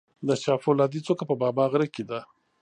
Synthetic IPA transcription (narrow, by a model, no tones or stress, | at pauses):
d̪əʃɑfolɑd̪it͡sokapəbɑbɑɣɾəkid̪a